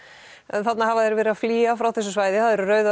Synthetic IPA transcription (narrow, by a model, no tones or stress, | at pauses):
ɛnθat̪nahavaðɛɾvɛːɾɪafliːafɾawθɛsːʏvaːjðɪθaðɛɾʏrœːɥða